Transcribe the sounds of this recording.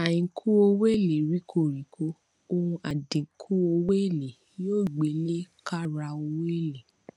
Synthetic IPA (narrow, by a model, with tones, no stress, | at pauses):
a˨jĩ˨˦kʰu˦o˧we˦˨le˨ɾi˨˦kʰo˦˨ɾi˨˦kʰo˦ | o˧hũ˧ʔa˨dĩ˨˦kʰu˦o˧we˦e˦˨le˨ | joː˦˨ɡ͡be˨˦le˦ka˦ɾa˧o˧we˦˨le˨